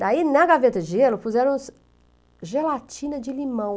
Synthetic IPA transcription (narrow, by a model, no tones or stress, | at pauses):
d̪ainɐɡavet̪ɐʒelʊpuzɛɾɐ̃w̃s | ʒelat͡ʃĩnɐd͡ʒɪlimɐ̃w̃